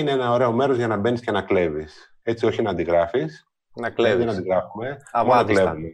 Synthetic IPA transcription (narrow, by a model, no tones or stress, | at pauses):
ineenɐo̞ɾe̞o̞me̞ɾozʝɐnɐbe̞niscenɐkle̞vis | e̞t͡sio̞çinɐːnd̪iɣɾɐfis | nɐlenɐnd̪iɣɾɐfume̞monɐkle̞vume